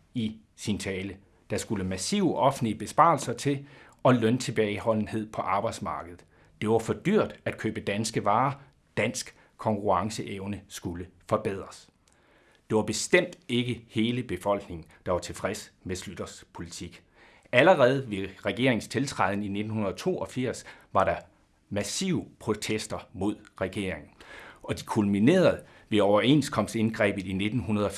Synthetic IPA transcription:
i | sint͡sʰɛːlə | d̥ɑ̈sɡ̥uləmæsiʊəʔɒ̽fn̩liəb̥e̝sb̥ɑ̈ːlsɐt͡sʰe̝l | ɒ̽lœnt͡sʰe̝b̥ɛɪhɒ̽l̰n̩he̝ð̞̰ˠpʰɒ̽ʔɑ̈ːb̥ɑ̈ɪd̥smɑ̈ːɡ̥əð̞̩ˠ | d̥e̝ʋɑ̈fɒ̽d̥yɐ̰d̥æd̥̚kʰø̰ːb̥əd̥ænsɡ̥əʋɑ̈ː | d̥æn̰sɡ̥ | kʰɒ̽ŋkʰuʁɑ̈ŋsəʔeʊnəsɡ̥uləfɒ̽b̥eð̞̰ˠʁɐs | d̥e̝ʋɑ̈b̥e̝sd̥em̰d̥e̝ɡ̥əhe̝ːləb̥e̝fɒ̽l̰ɡ̥ne̝ŋn̩d̥ɑ̈ʋɑ̈t͡sʰe̝fʁɛsmeslyd̥ɐspʰo̝lit͡sʰiɡ̥ | æləʁɛːð̞̩ˠʋe̝ʁɛɡ̥e̝ɐ̰eŋn̩st͡sʰe̝lt͡sʰʁɑðˠnine̝d̥n̩hunɐð̞ˠɒ̽t͡sʰo̝̰ːɒ̽fiɐ̰sʋɑ̈ɾɑ̈ | mæsḭːʊpʰʁo̝t͡sʰesd̥ɐmo̝ð̞̰ˠʁɛɡ̥e̝ɐ̰e̝ŋn̩ɒ̽d̥ikʰulmine̝̰ːɐð̞̩ˠ | ʋe̝ɒʊɐe̝nskʰɒ̽m̰se̝nɡ̥ʁɛ̰ːb̥ð̩ˠine̝d̥n̩ɦunɐð̞ˠɒ

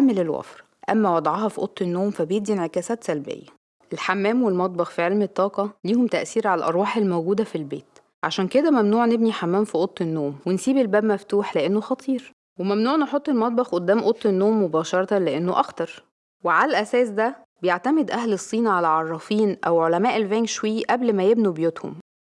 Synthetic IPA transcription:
æmːelelwæ̰fɾ | ʔæ̰mːæwɑd̪ˤʕɑhɑfiʔo̰t̪ˤːenːoːmfæbejeb̚d̪ienʕekæːsæːt̪sælbḛjːæ | ʔelħamːæːmwelmɑt̪̚ˤbɑxfiʕelmet̪ˤːɑːqɑliːhomt̪æʔsiːɾʕalælʔɑ̰ɾˤwɑːħelmowɡuːd̪æfilbḛːt̪ | ʕaʃæːnked̪æmæmnuːʕnebniħamːæːmfiʔot̪ˤːenːoːmwensiːbelbæːbmæft̪uːħleʔenːoxɑt̪ˤʰiːɾ | wemæmnuːʕneħot̪ˤːelmɑt̪̚ˤbɑxʔod̪ːæːmʔot̪ˤːenːoːmːobɑːʃɑɾˤɑt̪ɑleʔenːoʔɑxt̪ɑɾˤ | weʕalælʔæsæːsd̪æ | bejeʕt̪æmed̪ʔæhlesˤːiːnʕalæʕɑrˤːɑfiːnʔæwʕolæmæːʔelvæːnkʃwæːʔæblmæjebnubejot̪ho̰m

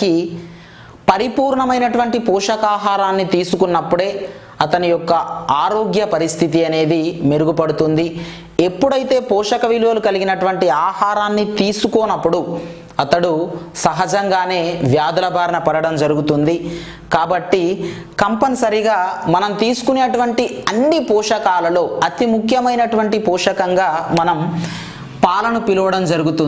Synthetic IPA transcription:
ki | pɐɾipuːɾɳɐmɐjnɐʈuʋɐɳʈipɔːʂɐkaːɦaːɾaːnːit̪iːsukunːɐpːuɽe̞ː | ɐt̪ɐnijɔkːɐaːɾo̞ːɡjɐpɐɾist̪ʰit̪iɐne̞ːd̪imeɾuɡupɐɽut̪und̪i | e̞pːuɽɐjit̪e̞ːpɔːʂɐkɐʋilʋɐlukɐliɡinɐʈuʋɐɳʈiaːhaːɾaːnːit̪iːsukɔːnɐpːuɽu | ɐt̪ɐɽusɐɦɐd͡ʒɐŋɡaːne̞ːʋjaːd̪ɐlɐbʱaːɾɐnɐpɐɾɐɽɐmd͡ʒɐɾuɡut̪und̪i | kaːbɐʈːikɐmpɐnsɐɾiɡaːmɐnɐmt̪iːsu̥kuneːʈuʋɐɳʈiɐnːipɔːʂɐkaːlɐlo̞ːɐt̪imukʰjɐmɐjnɐʈuʋɐɳʈipɔːʂɐkɐŋɡaːmɐnɐm | paːlɐnupiluʋɐɽɐmd͡ʒɐɾuɡut̪un

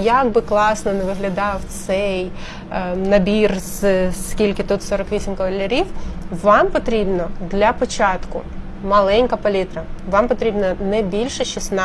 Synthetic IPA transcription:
jɐɡ̚bɪklˠɑsnɔneʋɪɦlʲɐd̪ɑwt̪sɛj | nɐbʲirz̥skʲilʲkɪt̪ut̪sɔɾɔkʋʲisʲimkɔʋɐlʲɐɾʲiwʋɑmpɔt̪ɾʲibnɔd̪lʲɐpɔt͡ʃɑt̪kʊ | mɐlˠɛnʲkɐpɐlʲit̪ɾɐʋɑmpɔt̪ɾʲibnɐnɛbʲilʲʃɛʃisnɑ

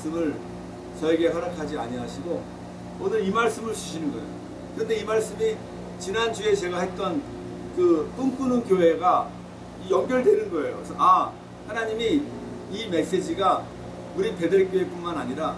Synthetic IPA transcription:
s͈ɯmɯɭ | t͡ɕʌeɡe̞ɦʌɾakʰad͡ʑiaɲiɦaɕʰiɡo | onɯɾimaɭs͈ɯmɯɭt͡ɕuɕʰinɯnɡʌḛjo | kɯɾʌnde̞imaɭs͈ɯmi | t͡ɕinant͡ɕue̞t͡ɕe̞ɡaɦe̞t̚t͈ʌn | kɯk͈ɯŋk͈unɯnkjoɦe̞ɡa | ijʌŋɡjʌɭdwe̞nɯnɡʌe̞jo̰kesʰʌa | hanaɲimiː | me̞ks͈e̞d͡ʑiɡa | uɾipe̞dɯɭk͈joep͈unmanaɲiɾa

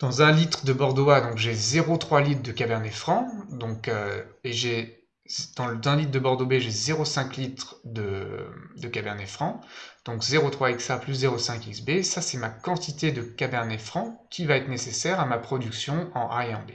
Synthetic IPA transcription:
d̪̥ɑ̃zɛ̃lit̪χd̪əbɔʁd̪wad̪ɔ̃kʒezeʁot̪χwalit̪χd̪əkabɛʁnefχɑ̃d̪ɔ̃køeʒe | d̪̥ɑ̃lzɛ̃lit̪̚d̪əbɔʁd̪obeʒezeʁosɛ̃klit̪χd̪ə | d̪əkabɛʁnefχɑ̃d̪̥ɔ̃kzeʁot̪χwaiksaplys̬zeʁosɛ̃kiksbesasɛmakɑ̃t̪it̪ed̪əkabɛʁnefχɑ̃kʲivaɛt̪χnesesɛʁamapχɔd̪yksjɔ̃ɑ̃ʔaɑ̃be

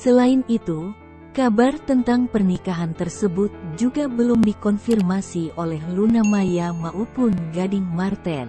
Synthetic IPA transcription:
səlainit̪u | kabart̪ənt̪aŋpərnikaɦant̪ərsəbʊt̪̚d͡ʒuɡabəlumdikɔnfirmasiʔolɛhlunamajamaʔupʊnɡadiŋmart̪ɛn

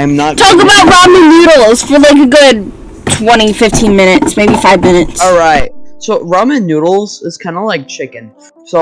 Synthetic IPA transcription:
ãɪ̃mnətʰɔkəbaʊt̚ɹɑmɨ̃nʉɾl̩ˠz̥fə˞laɪk̬ɨɡʊd̚ | tʰw̥ɛ̃ɾ̃ifɪftʰĩnmɪ̃ɾ̃ɨtsmeɪbifaɪvmɪ̃ñɨtsɔɹaɪt̚soʊɹɑmɨ̃njʉɾl̩ˠz̥ɪz̥kʰãɪ̃ndəlaɪk̚t͡ʃʰɪkɨ̃n | soʊ

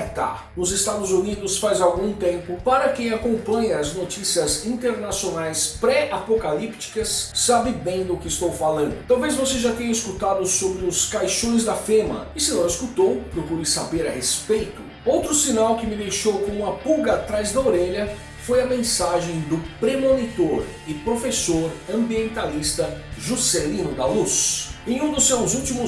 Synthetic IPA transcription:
t̪a̰ | nʊzɪst̪ad̪ʊzunid̪ʊsfazawɡũt̪ẽmpʊpaɾɐkẽj̃akõmpɐ̃ɲɐːznot͡ʃisiɐzĩnt̪eɾnasionajspɾɛapokalipt͡ʃi̥kɐsːabɪbẽj̃d̪ʊkɪːst̪owfalɐ̃nd̪ʊt̪awvejzvoseʒat̪ẽɲɐiskut̪ad̪ʊsobɾɪʊskajʃõj̃zd̪ɐfẽmɐ̰ɪsɪnɐ̃w̃ɪskut̪owpɾokuɾɪsabeɾɐhespejt̪ʊ | owt̪ɾʊsinawkɪmɪd̪ejʃowkõũɐpuɡɐːt̪ɾajzd̪ɐoɾeʎɐ | fojɐmẽsaʒẽj̃d̪ʊpɾemõnit̪oɾ | ɪpɾofesoɾɐ̃mbiẽnt̪alist̪ɐʒuselĩnʊd̪ɐlusẽj̃ũd̪ʊsːewzut͡ʃimʊ

